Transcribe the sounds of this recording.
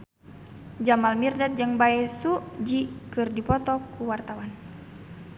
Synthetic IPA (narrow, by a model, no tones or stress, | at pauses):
d͡ʒamalmirdat̪̚d͡ʒɨŋbaɛsud͡ʒikɨrdipɔt̪ɔkuwart̪awan